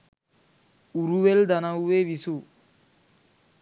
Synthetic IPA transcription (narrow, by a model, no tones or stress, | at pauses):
uɾuʋeld̪ɐnɐwuʋeʋisu